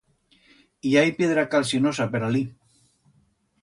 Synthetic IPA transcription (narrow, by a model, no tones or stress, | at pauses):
iajpjeðɾakalsionosapeɾali